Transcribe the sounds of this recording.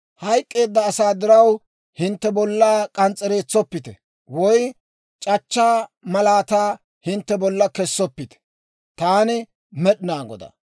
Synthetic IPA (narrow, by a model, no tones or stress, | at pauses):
hɐjkʼːe̞ːd̪ːɐːsaːd̪ɪɾɐw | hɪnt̪ːɛbɔlːaːkʼɐnt͡sʼːɛɾe̞ːt͡sːɔpːɪt̪ɛ̰ | wɔj | t͡ʃʼɐt͡ʃːaːmɐlaːt̪aː | hɪnt̪ːɛbɔlːɐkɛsːɔpːɪt̪ɛ̥ | t̪aːnɪ | mɛɗɪnaːɡɔ̰d̪ɐ̰